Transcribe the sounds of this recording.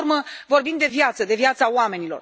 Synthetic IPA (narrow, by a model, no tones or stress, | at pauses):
rməvo̞rbind̪e̞vjat̪səd̪e̞vjat̪saoame̞nilo̞̰r